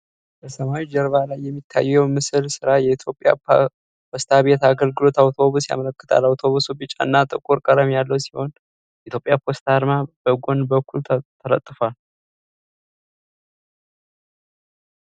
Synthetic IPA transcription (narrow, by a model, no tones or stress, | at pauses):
bəsəmawid͡ʒɛɾβalajːɛmːit̪ʰːa̰jːɛwmɨsɨlsɨɾajɛit̪ʰjo̞pʼːja̰ | pʰost̪ʰaβe̞t̪aɡəlɡɨlo̞t̪awt̪ʰo̞βusja̰mələkːɨ̥t̪ʰa̰lawt̪ʰo̞βusubɨt͡ʃʼa̰nːat̪ʼɨkʼuɾkʼəɾəmjalːəwsi̥ho̞n | jɛʔit̪ʰjo̞pʼjapʰost̪ʰaɾmabəɡʷo̞nbəkːulʰt̪ʰələ̰t̪ʼːɨfal